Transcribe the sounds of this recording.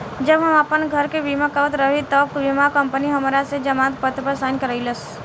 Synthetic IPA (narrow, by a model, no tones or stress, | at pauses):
d͡ʒəbɦəmapənɡʱəɾkeʋimakaʋət̪ɾəɦit̪ɔb̚ʋimakəmpəniɦəmɾased͡ʒəmãt̪pət̪pəɾsankəɾəɪləs